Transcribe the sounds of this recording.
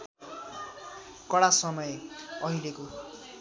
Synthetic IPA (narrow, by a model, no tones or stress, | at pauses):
kʌɽasʌmʌjeʌɦileko